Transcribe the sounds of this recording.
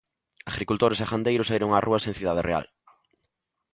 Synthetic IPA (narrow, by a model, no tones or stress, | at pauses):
aɣɾikult̪oɾesaχand̪ejɾʊseɾoŋarʔuɐasẽŋθiðað̞erʔea̰l